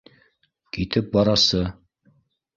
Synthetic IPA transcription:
kit̪ɘp̚bɑɾɑsɤ

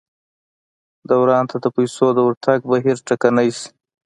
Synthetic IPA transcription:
d̪awɾɑnt̪ad̪əpajsod̪əwaɾt̪ʰaɡ̚baɦiɾʈakanajsi̥

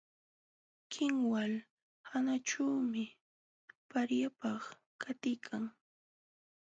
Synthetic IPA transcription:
kʰɪŋwal | hanaʈ͡ʂawmɪ | paɾjapɑχ | kʰat̪ɪjkʰaŋ

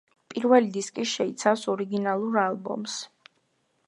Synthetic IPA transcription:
pʼiɾvɛlid̪iskʼiʃɛit̪sʰafsɔɾiɡinalˠuɾalˠbɔ̰ms

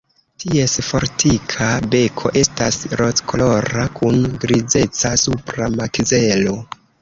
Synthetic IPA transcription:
tie̞sfo̞ɾtʰikʰabe̞kʰo̞̰ʔe̞stasɾo̞t͡skʰolo̞ɾakunɡɾid͡ze̞t͡sasupɾamakze̞lo̞

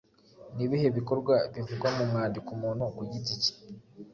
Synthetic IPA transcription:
niβihe̞βiko̞ɾɡwaβivuɡwamumŋaːndikumuːnhokuɟitit͡se̥

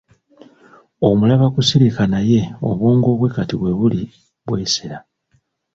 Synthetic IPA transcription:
o̞mulaβakusiɾikanaje̞o̞̰βwoːŋɡo̞ːβwe̞katiβwe̞βuli | βwe̞ːseɾa

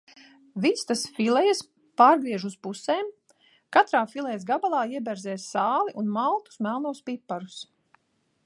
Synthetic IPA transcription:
vist̪asfilɛjas | paːɾɡɾiɛʒuspuseːm | kat̪ɾaːfilˠɛjzɡabalˠaːiɛbɛɾzɛːssaːlˠiʔunmalˠt̪u̥smælˠnuɔspipːaɾus

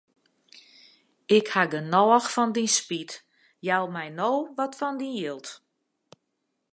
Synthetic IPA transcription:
ɪkhaɡənɔəxfɔndinspit | jalˠmɛjnoːʋɔtfɔndinjɪlˠt

